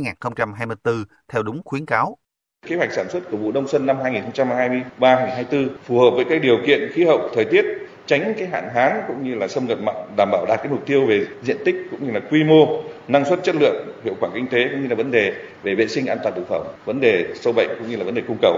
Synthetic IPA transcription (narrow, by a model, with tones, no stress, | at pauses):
jŋaː˨˩nxə˧wŋ͡mt͡ɕa˧mɦaː˧jmɨ˧əjt̪ɨ˧ | t̪ʰɛ˧wɗʊ˨˦ŋ͡mxwi˨˦ənkaː˨˦w | ke˨˦wa˨˩k̚saː˧˩nswə˦˥t̚ku˧˩vṵ˧˨ɗə˧wŋ͡msə˧nːa˧mhaː˧jŋi˨˩nxə˧ŋ͡mt͡ɕa˧m˨˩ɦaː˧jmɨ˧əjɓaː˧haː˧jŋi˨˩nɦaː˧jt̪ɨ˧fu˨˩hə˨˩p̚vəː˨˦jkaː˨˦k̚ɗi˨˩əwkḭ˧˨ənxi˨˦hə̰˧˨wk͡p̚t̪ʰəː˨˩jt̪i˦˥ət̚ | t͡ɕa˨˦jŋ̟kaː˨˦jɦa̰ː˧˨nɦaː˨˦nkʊ̰˧˥ŋ͡mɲɨ˧laː˨˩sə˧wŋ͡mŋə˨˩p̚ma̰ː˧˨ŋɗaː˧˩mɓaː˧˩wɗaː˨˩t̚kaː˨˦jmʊ˨˩k͡p̚t̪i˧əwve˨˩zḭ˧˨ənt̪ï˦˥k̚kʊ̰˧˥ŋ͡mɲɨ˧laː˨˩kwi˧mo˧na˧ŋswə˦˥t̚t͡ɕə˦˥t̚lɨ̰˧˨əŋhḭ˧˨əwxwaː˧˩kï˧ŋ̟t̪e˨˦kʊ̰˧˥ŋ͡mɲɨ˧laː˨˩və˨˦nɗe˨˩ | ve˨˩vḛ˧˨sï˧ŋ̟ʔaː˧t̪waː˨˩nt̪ʰɨ˨˩kfə˧˩wŋ͡mvə˨˦nɗe˨˩sə˧wɓə̰˧˨jŋ̟kʊ̰˧˥ŋ͡mɲɨ˧laː˨˩və˦nɗe˨˩kʊ˧ŋ͡mkə˧˩w̚